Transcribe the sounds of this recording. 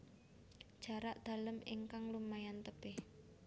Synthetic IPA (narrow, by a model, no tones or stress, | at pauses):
d̥ʒ̥a̤ɾaʔd̪̥a̤ləmiŋkaŋlumajant̪əb̥ɪh